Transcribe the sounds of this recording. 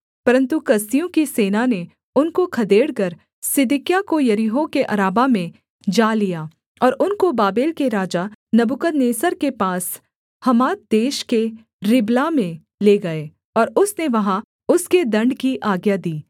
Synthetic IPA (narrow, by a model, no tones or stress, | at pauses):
pɐɾə̃nt̪ukɐst̪ijõkiseːnane | ʊnkokʰɐd̪eːɽkɐɾ | sɪd̪ɪkjakojɐɾiɦõkeʔɐɾaːbamẽ | d͡ʒaːlijaː | ɔːɾʊnkobaːbeːlkeɾaːd͡ʒanɐbʊkəd̪neːsəɾkepaːs | hɐmaːt̪̚d̪eːʃke | ɾɪblamẽ | leɡɐeː | ɔːɾʊsneʋɐɦã | ʊsked̪ɐ̃ɳɖkiʔaːɡjad̪iː